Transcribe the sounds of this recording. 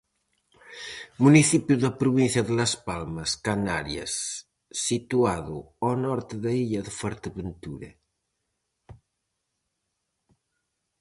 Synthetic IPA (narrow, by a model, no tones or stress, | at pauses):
muniθipjuðəpɾuβinθjɐðəlɐspalmɐskanaɾjɐ̰sː | it̪uaðu | ɔnɔɾt̪əðɐiʎɐðəfɔɾt̪əβənt̪uɾḛ